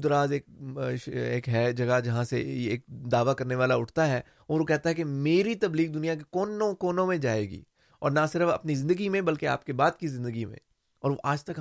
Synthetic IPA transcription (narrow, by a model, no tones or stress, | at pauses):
d̪ɾaːzeːk̚ʃeːkɦɛd͡ʒɐɡad͡ʒɐɦãseeːk̚d̪aːʋakɐɾneʋaːlaʊʈʰt̪aɦɛː | ʊɾokɛɦt̪aɦɛkemeːɾit̪ɐbliːɡ̚d̪ʊnijak̬ekɔːnõkɔːnõmẽd͡ʒaːeːɡḭː | ɔ̰ːɾnasɪɾəfɐ̰pnizɪ̃nd̪əɡimẽbɐlkea̰ːp̚kebaːd̪kizɪ̃nd̪əɡimḛ̃ | ɔ̰ːɾʋoʔaːd͡ʒt̪ɐk